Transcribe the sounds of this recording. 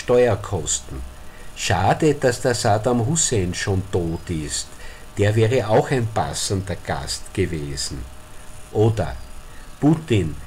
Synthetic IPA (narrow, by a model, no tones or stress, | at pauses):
ʃtɔʏɐkʰɔstn̩ | ʃaːdəd̥asd̥aɐsaːdamhuseːnʃoːntoːtɪst | d̥eːɐvɛːʁəɑʊxæɪnpa̰səndɐɡ̥a̰stɡ̥əveːzn̩ʔoːdɐ̰putɪn